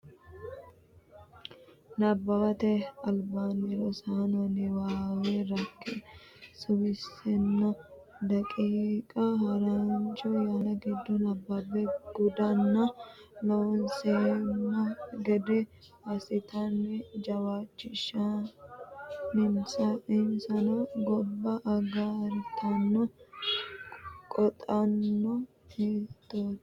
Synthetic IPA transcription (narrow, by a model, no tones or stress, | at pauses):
nɐbːɐwɐt̪ɛɐlbaːnɪɾɔsanɔnɪwaːɡeɾɐkːesʊmɪsɛnːɐ | d̪ɐkʼiːkʼɐhɐɾant͡ʃɔjaːnɐɡɪd̪ːɔnɐbːɐbɛɡ̥ʊd̪ɐnːɐlɔwɔnseːmːɐɡɛd̪ɛ | ɐsɪt̪ɐnːɛd͡ʒɐwaːt͡ʃːɪʃːɐ | nɪnsɐɪnsɐnɐɡɔbːɐʔːɡaɾt̪ʰɐnːɔ | kʼɔt̪ʼɐnːɔ | eːt̪ːoːd̪